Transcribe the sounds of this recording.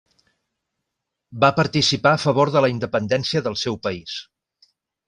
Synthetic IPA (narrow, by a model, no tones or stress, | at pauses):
bapəɾt̪isipaəfəβoɾðələind̪əpənd̪ɛnsiəðəlˠsɛwpəis